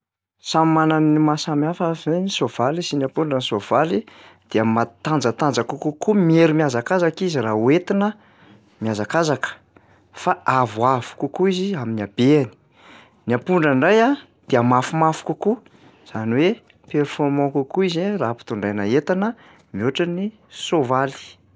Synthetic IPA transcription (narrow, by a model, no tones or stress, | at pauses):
samimananimasamiafəzenisov̥alisinapuɳɖ͡ʐənisov̥alid̪̥eamat̪and͡zət̪and͡zakukukumieɾumijazakazakizirauet̪inə | mjazakazakə̥ | faavuavu̥kukuiziaminiabeani̥ | niapuɳɖ͡ʐaɳɖ͡ʐaja | d̪̥eamafumafu̥kuku | z̥aniwe | pɛrfɔrmɔ̃kukuizeraːpi̥t̪uɳɖ͡ʐajnaet̪anə | miuʈ͡ʂəni | sovali̥